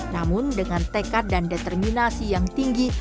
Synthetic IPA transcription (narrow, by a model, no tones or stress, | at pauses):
namʊndəŋant̪ekat̪̚dandet̪ɛrminasijaŋt̪iŋɡi